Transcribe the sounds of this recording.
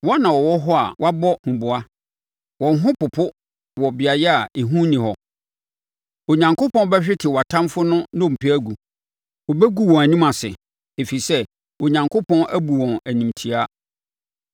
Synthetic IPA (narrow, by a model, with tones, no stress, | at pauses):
wɔ˦nã˨wɔ˨wɔ˦ɦɔ˦a̰˨wa˦bɔ˦hũ˨bʊ˨a˦ | wɔ̃˨n˦ɦʊ̃˦pʊ˨pʰʊ˦ | wɔ˨bɪ˨a˨jɛ˦a˨e˨ɦũ˦nĩ˨hɔ˨ | o˨ɲã˨ŋkʰʊ˦pʰɔ̃˦n˦bɛ˦ɕᶣɪ˦tʰɪ˨wa˨tʰã˦mfʊ˦nʊ̃˦nõ˦˨m̩˨pʰi˦æ˦ɡu˨ | ɔ˨bɛ˦ɡu˦wɔ̃˨æ˨nĩ˦mã˨sɪ̰˨ | e˨fi˨sɛ˦ | o˨ɲã˨ŋkʰʊ˦pʰɔ̃˦næ˦bu˨wɔ̃˨næ˨nĩ˨mtʰi˨a˦